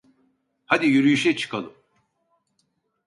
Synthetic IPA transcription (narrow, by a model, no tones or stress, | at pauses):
had̪ijyɾyjyʃɛt͡ʃʰɯ̥kʰalˠɯm